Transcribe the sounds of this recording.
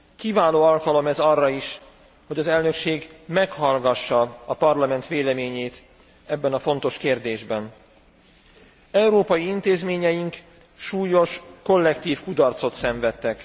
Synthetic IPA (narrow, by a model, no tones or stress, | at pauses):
kivaːloːɒlkɒlo̞mɛzɒrːɒiʃ | ho̞ɟɒzɛlnø̞kʃeːɡmɛkhɒlɡɒʃːɒɒpɒrlɒmɛnt̪ʋeːlɛmeːɲeːt̪ | ɛbːɛnɒfo̞nt̪o̞ʃkeːrd̪eːʒbɛn | ɛuɾoːpɒjiint̪eːzmeːɲɛjiŋk | ʃuːjo̞ʃko̞lːɛkt̪iːfkud̪ɒrt̪so̞t̪sɛɱvɛt̪ːɛk